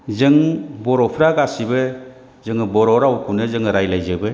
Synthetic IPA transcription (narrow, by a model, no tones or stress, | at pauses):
zɯŋbɔɾɔpʰɾaɡasibɯ | zɯŋɯbɔɾɔɾawkʰunɯzɯŋɯɾajlajzɯbɯ